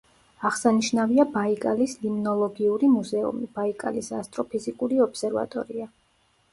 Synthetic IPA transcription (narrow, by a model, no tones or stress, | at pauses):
aʁsaniʃnaviabaikʼalislimnɔlˠɔɡiuɾimuzɛṵmib̥aikʼa̰lisast̪ʼɾɔpʰizikʼuɾiɔb̥sɛɾva̰t̪ʼɔ̰ɾia